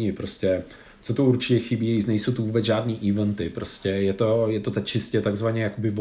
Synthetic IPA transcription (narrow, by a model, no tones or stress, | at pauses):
ɪpɾo̞scʲɛ | t͡sot̪ouɾt͡ʃɪcɛxɪbiːisnɛjsowt̪uvuːbɛzʒaːdniːʔivɛnt̪ɪpɾoscɛjɛt̪ojɛt̪ot̪at͡ʃɪscɛt̪aɡzvaɲɛjakobɪv